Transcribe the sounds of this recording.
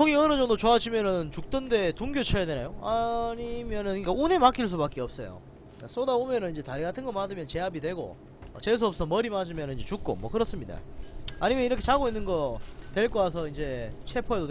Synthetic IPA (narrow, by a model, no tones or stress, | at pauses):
sʰoŋiʌnɯd͡ʑʌŋdot͡ɕoad͡ʑʰimjʌnɯnt͡ɕuk̚t͈ɯnde̞tuŋɡjot͡ɕʰʌjadwenajoaɲimjʌnɯnik͈aune̞mak͈iɭs̬͈ubak͈eʌp̚s͈ʌjo̰ | as͈odaomjʌnɯnind͡ʑe̞taɾiɡatʰɯnɡʌmadɯmjʌnt͡ɕe̞ɦabidwe̞ɡo̰ | ʌ̰t͡ɕe̞s̬ʰuʌp̚s͈ʰʌmʌɾimad͡ʑɯmjʌnɯniɲd͡ʑe̞t͡ɕuk̚k͈o̰mwʌkɯɾʌs͈ɯmɲida̰a̰ɲimjʌniɾʌkʰet͡ɕaɡoinːɯnɡʌtwe̞ɭk͈ʌasʰʌind͡ʑe̞t͡ɕʰe̞pʰoedo